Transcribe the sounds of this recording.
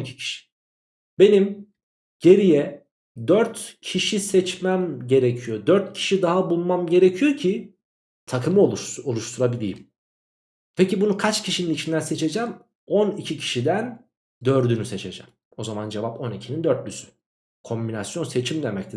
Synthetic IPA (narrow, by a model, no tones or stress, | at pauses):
icʰi̥cʰi̥ʃi̥ | be̞nim | ɟ̥e̞ɾijɛ | d̪øɾt̪cʰiʃisɛt͡ʃmæmɟe̞ɾɛcʰijod̪øɾt̪̚cʰi̥ʃid̪aɦabulˠmamɟe̞ɾecʰijocʰi | t̪ʰakʰɯmɯoolˠuʃt̪ʰuɾabilʲḭjim | pʰecibunukʰat͡ʃcʰiʃininit͡ʃʰind̪ænse̞t͡ʃʰe̞d͡ʒæm | o̞nicʰicʰi̥ʃid̪æn | d̪ø̞ɾd̪ynyse̞t͡ʃʰe̞d͡ʒɛ̰m | o̞zamand͡ʒevapo̞nicʰinind̪øɾt̪̚lysy̥ | kʰo̞mbinasjo̞nse̞t͡ʃʰimd̪emɛct̪ʰi